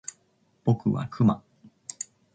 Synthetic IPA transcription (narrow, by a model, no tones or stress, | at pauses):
b̥o̞kɯ̟βa̰kʰɯma